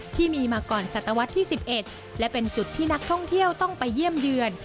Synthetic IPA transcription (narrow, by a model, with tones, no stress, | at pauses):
t̪ʰiː˥˩miː˧maː˧kɔː˨˩nsa˨˩t̪ːa˧wa˦˥t̪ʰːiː˥˩si˨˩p̚ʔe˨˩t̪̚ | lɛ˦˥pe˧nt͡ɕu˨˩t̪ʰːiː˥˩na˦˥k̚t̪ʰɔ˥˩ŋt̪ʰi˥˩əwt̪ɔ˥˩ŋpa˧jːi˥˩əmjɯ˧ən